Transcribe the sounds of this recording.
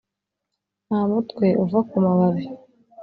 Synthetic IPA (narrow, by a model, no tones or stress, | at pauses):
namutkwe̞ʔuvakumaβaβe